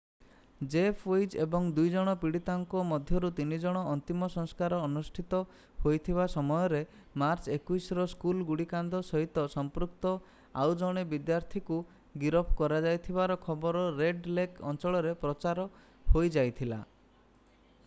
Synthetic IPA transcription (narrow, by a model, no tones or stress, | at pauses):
d͡ʒepʰejd͡ʒebɔŋd̪ujd͡ʒɔɽ̃ɔpiɽit̪aŋkɔmɔd̪ʱjɔɾut̪inid͡ʒɔɽ̃ɔːnt̪imɔsɔŋskaɾɔːnusʈʰit̪ɔ | hojt̪ʰibasɔmɔjɔɾe | maɾt͡ʃekuisɔɾɔskulɡuɽikand̪ʱɔsɔɦit̪ɔsɔmpɾuk̚t̪ɔ | a̰wd͡ʒɔɽ̃ebid̪jaɾt̪ʰiku | ɡiɾɔpʰkɔɾad͡ʒajt̪ʰibaɾɔkʰɔbɔɾɔɾeɖlekɔ̰nt͡ʃɔɭɔɾepɾɔt͡ʃaɾɔ | hojd͡ʒajt̪ʰila̰